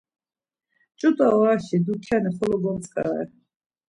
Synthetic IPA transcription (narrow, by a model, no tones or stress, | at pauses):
t͡ʃʼut̪ʼaɔaʃid̪ukʰjanɛχɔlɔɡɔmt͡sʼkʼa̰ɛ̰